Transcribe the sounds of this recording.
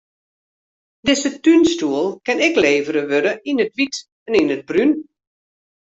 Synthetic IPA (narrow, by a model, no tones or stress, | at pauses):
dɪsətynstuəlˠkɪnɪkleːvəɾəʋøɾəinətʋit | ɛninəd̚bryn